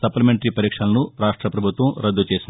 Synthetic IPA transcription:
sɐplɐmeɳʈɐɾipɐɾiːkʂɐlɐnuɾaːʂʈɾɐpɾɐbʱut̪ʋɐmɾɐd̪ːut͡ʃe̞ːsin

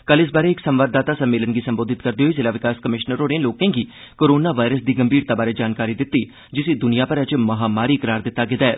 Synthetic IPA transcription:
kəlɪs̬baːɾeːɪksəmʋaːd̪ːaːt̪aːsəmːeːlənɡiːsəmboːd̪ɪt̪kəɾd̪iːɦoiːzɪːlaːʋɪkaːskəmɪʃnəɾɦoːneloːkẽːɡiː | koːɾoːnaːʋaːɾəsd̪iːɡəmbiːɾt̪aːbaːɾeːd͡ʒaːnkaːɾiːd̪ɪt̪ːiː | d͡ʒɪsiːd̪ʊnijãːpəɾəd͡ʒmɐɦaːmaːɾiːkəɾaːɾd̪ɪt̪ːaːɡɪd̪aɛː

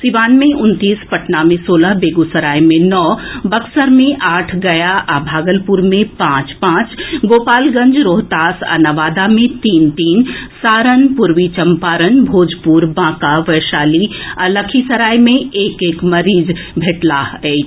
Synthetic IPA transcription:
siʋaːnmẽʔʊnt̪iːspɐʈnamẽsoːlaɦbeːɡusɐɾaːimẽnɔːbɐksəɾmẽʔaːʈʰɡɐjaʔabʱaːɡəlpuɾmẽpãːt͡ʃpãːt͡ʃɡoːpaːlɡə̃nd͡ʒɾoːɦt̪aːsə̰naʋaːd̪amẽt̪iːnt̪iːnsaːɾənpʊɾʋit͡ʃəmpaːɾənbʱoːd͡ʒpuːɾbãːkaʋəːʃaːliələkʰisɐɾaːjmẽeːkeːkmɐɾiːd͡ʒ | bʱeːʈlaɦɛː

